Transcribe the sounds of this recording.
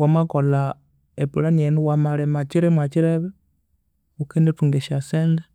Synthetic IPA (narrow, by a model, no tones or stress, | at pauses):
wamakola | epulanenuwamaɾemat͡ʃiɾemwat͡ʃiɾeβe | ukendetuŋɡeʃasende